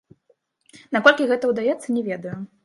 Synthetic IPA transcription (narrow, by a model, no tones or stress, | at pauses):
nakɔlʲkʲiɣɛt̪ɐwd̪ajɛt̪sːɐnʲɛvʲɛd̪ɐju